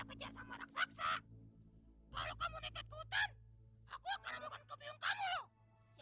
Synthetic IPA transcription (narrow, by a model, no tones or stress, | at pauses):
akəd͡ʒarsamaɾa̰ksaksa | kalokamunit̪ɛt̪̚kəut̪ana̰kuakanabukankəpiʊŋkamu